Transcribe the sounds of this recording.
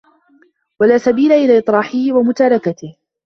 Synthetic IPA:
walaːsabiːlaʔɪlaːʔɨt̪ˤɾɑːħɪhɪwamʊt̪aːɾɑkat̪ɪh

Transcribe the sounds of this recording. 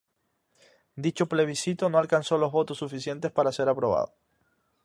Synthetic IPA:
d̪it͡ʃo̞ple̞β̞isit̪o̞no̞alkanso̞lo̞zβo̞t̪osːufisje̞nt̪espaɾase̞ɾapɾo̞βa̰ðo

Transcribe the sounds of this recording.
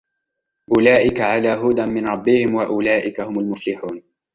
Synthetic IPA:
ʔʊlaːʔɪkaʕalaːɦʊd̪amɪnɾˤɑbːɪhɪmwaʔʊlaːʔɪkahʊmalmʊflɪħuːn

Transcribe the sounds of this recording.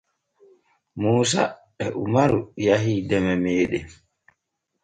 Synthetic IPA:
muːs̬a̰ɓɛʔumaɾujaɦidɛmɛmɛːɗɛ

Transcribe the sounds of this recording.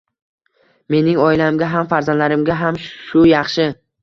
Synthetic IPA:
me̞nɪŋɒɪlamɡʲaɦamfaɾzand̪laɾɪmɡʲaɦamʃʊjɑχʃɪ

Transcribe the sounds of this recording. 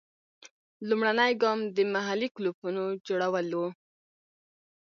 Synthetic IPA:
lumɽanəjɡɑmd̪əmaɦaliklupunod͡ʒoɽawəlo

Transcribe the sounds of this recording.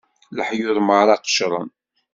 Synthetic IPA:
ləħjʊðˤmʁɾˤɑqə̥ʃɾˤə̰n

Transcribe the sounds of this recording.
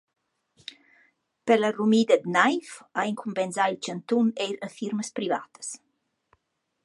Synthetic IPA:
pələrumid̪əd̪najfaiŋkʰumpɛnzailt͡ʃənt̪unejɾəfiɾməspɾiva̰t̪ə̥s

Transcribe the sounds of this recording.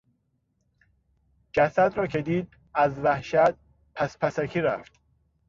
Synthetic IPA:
d͡ʒæsæd̪ɾɒːcʰe̞d̪iːd̪̚ | æzvæhʃæt̪̚ | pʰæspʰæsækʰiːɾæ̰ft̪

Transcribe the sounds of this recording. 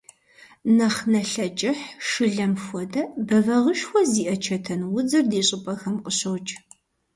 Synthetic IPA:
nɐχnɐɬɐt͡ʃʼɪħʂɨɮɐmxʷɔdɐbɐvɐʁəʃxʷɔziːʔɐt͡ʃʰɐtʰɐnwʊd͡zɨrdiːɕʼɪpʼɐxɐmqəɕɐwt͡ʃʼ

